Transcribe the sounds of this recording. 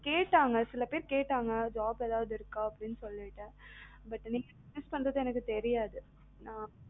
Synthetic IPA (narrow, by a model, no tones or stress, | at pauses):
keːʈːaːŋɡɐsɪlɐpeːɾkeːʈːaːŋɡɐd͡ʒaːbɛðaːʋɐðɪɾɯkːaːɐpːɐɽɪnːɯsɔlːɪʈːɯ | bɐʈːniːŋɡɐmɪspɐɳdɾɐðɯ̃ɛnɐkːɯt̪ɛɾɪjaːðɯ | nãː